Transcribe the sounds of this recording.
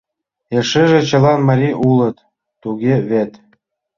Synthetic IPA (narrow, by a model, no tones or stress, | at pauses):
ĕʃɘʒĕt͡ɕɤ̆lɑnmɑɾʲiʔulˠɤ̆t̪ː | uɡʲeβet̪